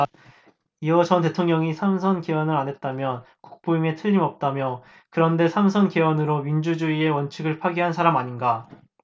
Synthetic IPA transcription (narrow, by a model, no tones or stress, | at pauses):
iʌt͡ɕʌnte̞tʰoŋɲʌŋisʰamsʰʌnkewʌnɯɾanɦe̞t̚t͈amjʌn | ku̥k̚p͈oiŋe̞tʰɯʎːimʌp̚t͈amjʌ | kɯɾʌnde̞sʰamsʰʌnkewʌnɯɾomind͡ʑud͡ʑuie̞wʌnt͡ɕʰɯɡɯɭpʰwaɡiɦansʰaɾamaɲinɡa